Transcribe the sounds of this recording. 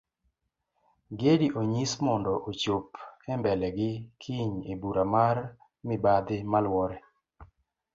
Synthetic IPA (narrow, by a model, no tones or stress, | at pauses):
ɡediʔoɲismɔndɔʔot͡ʃopɛmbɛlɛɡɪkʰiɲebuɾamar | mɪbad̪ɪmalwɔɾɛ